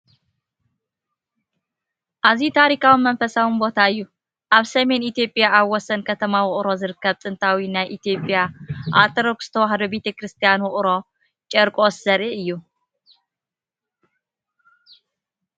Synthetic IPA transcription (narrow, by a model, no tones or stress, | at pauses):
ʔazit̪ʰaɾikʰawimɐnfɐsawinbo̞t̪ʰaɨjːu | ʔaβsɐme̞nit̪jo̞pʼjaʔaβwɔsɐnkʰɐt̪ʰɐmawʊχʼɾo̞zɨɾɨkːɐβt̪ʼɨnt̪ʰawinajʔit̪ʰjo̞pʼjaʔat̪ʰɐɾokz̥ɨ̥t̪ʰɐwaɦd̪o̞be̞t̪ʰekɾɨst̪ʰijanwʊχʼɾo̞ | t͡ʃʼɛɾkʼo̞szɐɾiʔɨjːu